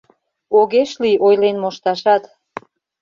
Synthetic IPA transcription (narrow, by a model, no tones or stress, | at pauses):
oɣeʃliʔojlenmoʃt̪ɑʃɑt̪